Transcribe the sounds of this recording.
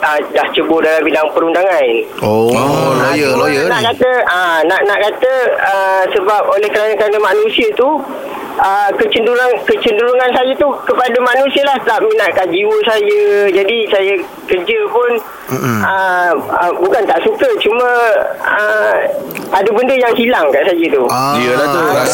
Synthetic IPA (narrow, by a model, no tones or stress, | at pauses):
ədaht͡ʃəbʊdalambidaŋpəɾundaŋan | oajəjnaʔkat̪əənaʔnaʔkat̪əəsəbap̚olɛhkəɾanəkəɾanəmaʔnũsiət̪u | ʔəkət͡ʃənduɾaŋkət͡ʃənduɾuŋansajət̪ukəpadamanũsiəlaht̪aʔ̚minaʔ̚kad͡ʒiwəsajəd͡ʒadisajə | kərd͡ʒəpʊn | əəbukant̪aʔsukət͡ʃumə̃ə | adabəndəjaŋsilaŋkaʔsajət̪uiəlat̪u